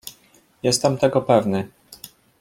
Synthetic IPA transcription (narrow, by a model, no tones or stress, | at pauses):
jɛst̪ɛmt̪ɛɡɔpɛvnɘ